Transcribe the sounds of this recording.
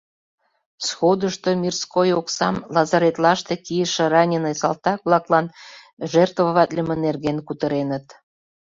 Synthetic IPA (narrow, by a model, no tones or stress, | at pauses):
sxod̪əʃt̪omʲirskojoksɑmlɑzɑɾet̪lɑʃt̪ekijəʃĕrɑnʲenəjsɑlt̪ɑkβlɑklɑn | ʒert̪vəβɑt̪lʲəmə̆nerɣenkut̪ə̆ɾenət̪